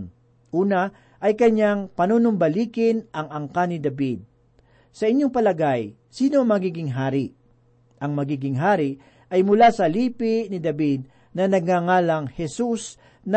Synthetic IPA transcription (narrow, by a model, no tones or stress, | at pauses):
n | ʔuːnɐ | ʔɐjkɐɲaŋpɐnonʊmbɐliːkɪnʔɐŋɐŋkanɪd̪ɐbid̪̚ | sɐʔɪɲːo̞ŋpɐlɐɡaj | siːno̞ɐŋmɐɡiːɡɪŋɦaːɾɪʔ | ʔɐŋmɐɡiːɡɪŋɦaːɾɪʔ | ʔɐjmʊlasɐliːpɪnɪd̪ɐbid̪̚ | nɐnɐɡ̚ŋaŋaːlɐŋhɛsus | nɐ